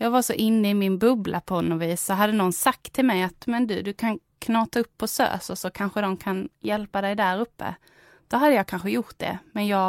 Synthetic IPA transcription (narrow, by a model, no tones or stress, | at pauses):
jɑːɡvaɾʂɔʔɪnːəɪmɪnbɵblʔapʰɔnːɔviːsːɔɦad̪ːənɔnːsak̚t̪ʰːɪlmɛjat̪mɛnd̪ʉd̪ɵkʰan | kʰnɑːt̪aɵpːɔsø̰ːsɔsɔkʰanɧəd̪ɔmkʰanjɛlpad̪ɛjd̪æɾɵpːə̰ | d̪̥ɔɦad̪ːəjɑːkʰanɧəjʊʈ̪̚d̪ɛ̰mɛnjɑː